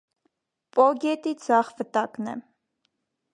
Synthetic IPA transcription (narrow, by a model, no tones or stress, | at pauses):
pʼɔɡɛt̪id͡zɑχvət̪ɑknɛ̰